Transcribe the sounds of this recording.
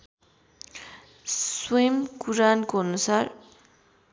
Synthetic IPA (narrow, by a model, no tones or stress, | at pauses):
swimkuɾankoʌnusar